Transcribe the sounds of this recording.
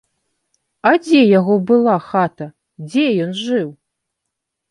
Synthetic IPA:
ɐd͡zʲɛjaɣɔbɨlˠaxat̪ɐ | d͡zʲɛjɔnʐɨw

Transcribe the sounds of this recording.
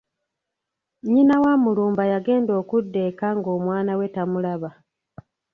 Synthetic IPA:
ɲinawaːmuluːmbajaɡe̞ːndo̞ːkudːe̞kaŋɡo̞ːmwaːnawe̞tamulaβa

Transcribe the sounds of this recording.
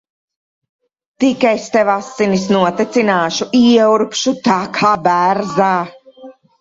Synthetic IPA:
t̪ikajst̪ɛvasːinisnuɔt̪ɛt̪sinaːʃuʔiɛuɾpʃut̪aːkʰaːbæɾzaː

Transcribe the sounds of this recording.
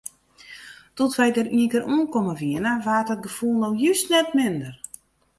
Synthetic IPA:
tɔtʋɛjdəɾiəŋkəɾuənkɔməʋiənəʋaːrtɔt̚ɡəfulˠnowjystnɛtmɪndər

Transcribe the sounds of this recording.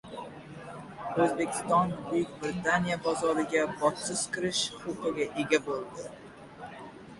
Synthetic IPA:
ɵzbe̞kʲʰɪ̥st̪ɒnbʊjɪkʲbɾɪt̪anijabazɒɾɪɡʲabɒt̪sɪz̥kʲɪɾɪʃχʊqɨɡʲaʔe̞ɡʲabolˠd̪ɪ

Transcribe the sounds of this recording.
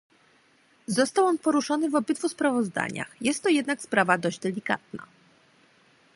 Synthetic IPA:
zɔst̪awɔnpɔɾuʂɔnɘvɔbɘd̪vuspɾavɔzd̪a̰ɲa̰xjɛst̪ːɔjɛd̪nakspɾavad̪ɔʑd͡ʑd̪ɛlʲika̰t̪̚na̰

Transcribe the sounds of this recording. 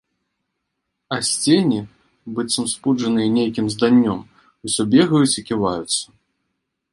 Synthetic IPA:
ɐsʲt͡sʲenʲi | bɨt̪sɐmspud͡ʐɐnɨjɐnʲejkʲimzd̪anʲːɔm | usʲɔbʲɛɣɐjut͡sʲikʲivajut̪sːɐ̥

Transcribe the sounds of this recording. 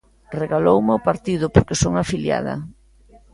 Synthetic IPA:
reɣalowmeʊpaɾt̪iðʊpoɾkesoŋafilja̰ð̞ɐ̰

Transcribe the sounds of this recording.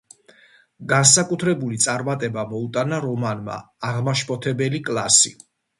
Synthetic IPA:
ɡansakʼut̪ʰɾɛbulit̪sʼaɾmat̪ʼɛbamɔut̪ʼanaɾɔmanma̰ːʁmaʃpʰʼɔt̪ʰɛbɛlikʼlˠasi

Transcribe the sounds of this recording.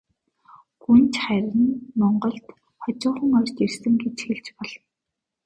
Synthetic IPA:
ɡ̥unt͡ɕχæɾʲɪ̆nmɔɴɢɞ̆ɬt̪ | χɔt͡ɕʊːχə̆ŋɔrʲt͡ɕ̪ersɘ̆ŋɡet͡ɕxeɮt͡ɕpɔɮ̥ɞ̆n

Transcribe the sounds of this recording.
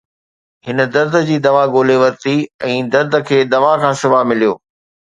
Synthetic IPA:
ɦɪnəd̪ɐɾd̪ʱə̆d͡ʑiːd̪ɐʋaɡoːleʋɐɾt̪iɛ̃ːd̪ɐɾd̪ʱə̆kʰeːd̪ɐʋakʰãːsɪbamɪlijo̰ː

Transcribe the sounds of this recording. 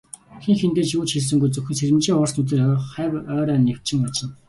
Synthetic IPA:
xeŋxent̪eːrt͡ɕuːt͡ɕxiɮs̬ɘ̆ŋɡujt͡sɵxʲɘ̆nseɾʲɘ̆mt͡ɕiːŋʊr̥snɵt̪̬ɘ̆rχæːwœːɾœːnːew̥t͡ɕɪ̆ŋpɔɮsə̆n

